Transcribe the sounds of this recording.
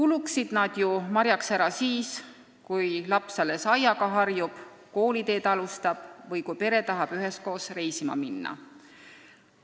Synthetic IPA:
kuluksid̪̥nɑd̪̥jumɑɾjɑksæɾɑsiːs | kujlɑpsɑle̞sɑjɑɡ̥ɑɦɑrjub̥ | ko̞ːlit̪e̞ːt̪ɑlust̪ɑb̥vɤjkujpe̞ɾe̞t̪ɑɦɑb̥yɦe̞sko̞ːsre̞jsimɑ̰minːɑ̰

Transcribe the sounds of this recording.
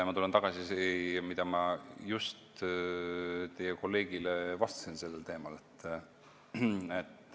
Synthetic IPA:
ɑmɑt̪ulent̪ɑɡ̥ɑsiseɑmid̪̥ɑmɑjust̪ | t̪e̞jeko̞lːe̞ːɡ̥ilevɑst̪ɑ̥sinse̞lːelt̪e̞ːmɑle̞t̪ː | et̪ːˑ

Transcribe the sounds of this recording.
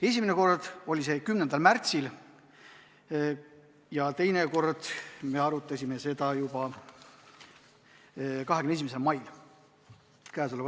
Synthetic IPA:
e̞sʲimeneko̞rd̪̥o̞lʲise̞kymnend̪ɑlmært̪sil | jɑt̪e̞jneko̞rd̪̥me̞ɑɾut̪ːˑɑsʲime̞se̞d̪ɑjubɑ | kɑɦekmnes̬imeselmɑjl | kæːsule

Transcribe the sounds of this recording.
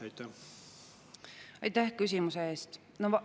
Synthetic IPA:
ɑjt̪æ | ɑ̰jt̪æhkys̬ʲimuse̞e̞ːst̪ | nov

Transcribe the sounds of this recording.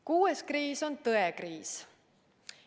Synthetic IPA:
kuːeskriːso̞nt̪ɤekriːs

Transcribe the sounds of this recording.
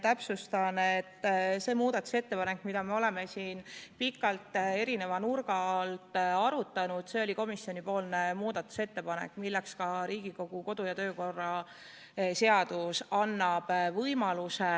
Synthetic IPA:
t̪æpsust̪ɑnet̪ːse̞ːmuːd̪̥ɑt̪ːˑu̥se̞t̪ːe̞pɑne̞kːˑmid̪̥ɑme̞o̞le̞me̞siːnpikːˑɑlt̪ːˑe̞ɾine̞vɑnurɡɑlt̪ɑɾut̪ːˑɑnud̪̥se̞o̞lʲiko̞misjonʲipo̞ːlnemuːd̪ɑt̪ːˑu̥se̞t̪ːe̞pɑnḛkːˑmilːekskɑɾiːɡ̥iko̞ɡ̥uko̞d̪̥ujɑt̪ø̞ːko̞rːɑ | se̞ɑd̪usɑnːɑb̥vɤjmɑluse

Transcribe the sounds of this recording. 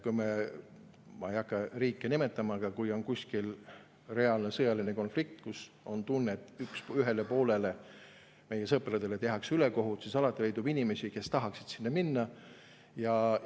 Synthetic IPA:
kujme | mɑejɑkːˑɑriːkːˑenime̞t̪ːˑɑmɑɡ̥ɑkujo̞nkusʲkil | re̞ɑlne̞sɤjɑlineko̞nflik̚t̪kus | o̞nt̪unːet̪ːˑyksyɦe̞lepo̞ːle̞le̞ | me̞jːesɤpːɾɑd̪elet̪e̞ɦɑksyleko̞ɦut̪sisɑlɑt̪ːˑile̞jd̪ubinʲime̞sʲike̞st̪ɑɦɑksid̪̥sinːɑminːɑ | jɑ

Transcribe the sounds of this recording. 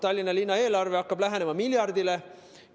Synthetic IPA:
t̪ɑlʲːinɑlinːɑe̞ːlɑrveɑkːɑb̥læɦene̞mɑmilʲjɑrd̪ile

